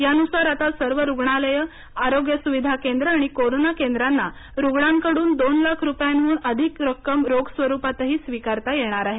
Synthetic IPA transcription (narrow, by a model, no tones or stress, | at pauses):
janusaɾat̪asəɾʋəɾuɡɳaləjə | aɾoɡjəsuʋid̪ʱakend̪ɾəaɽ̃ikoɾonakend̪ɾanːa | ɾuɡɽaŋkəɽuːnd̪onlakʰɾupjanuːnəd̪ʱikɾəkːəmɾoɡsʋəɾupat̪əɦiːsʋikaɾt̪ajeɽ̃aɾaɦe